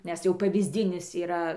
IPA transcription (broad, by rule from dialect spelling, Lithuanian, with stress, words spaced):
nʲɛs ˈjɛʊ pɐʋʲiːzʲˈdʲɪnʲɪs iːˈrɐ